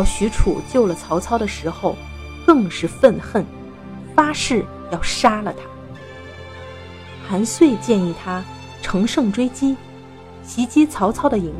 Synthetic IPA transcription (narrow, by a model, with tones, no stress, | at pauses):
ɑ˥˩ʊɕy˧˥ʈ͡ʂʰṵ˨˩t͡ɕjo˥˩ʊlə˩t͡sʰɑ˧˥ʊt͡sʰɑ˥ʊɾə˨ʂɻ̩˧˥xo˧ʊ | kɤ˥˧ŋʂɻ̩˥˧fə˥˧nxə˥˩n | fa˥ʂɻ̩˥˩ | jɑ˥˩ʊʂa˥lə˨t̪ʰa˥ | xʰa˧˥nswe˥˧ɪt͡ɕjɛ˥˧ni˥˩t̪ʰa˥ | ʈ͡ʂʰɤ˧˥ŋʂɤ˥˩ŋʈ͡ʂwe˥ɪt͡ɕi˥ | ɕʰi˧˥t͡ɕi˥t͡sʰɑ˧˥ʊt͡sʰɑ˥ʊd̪ə˨i˧˥ŋ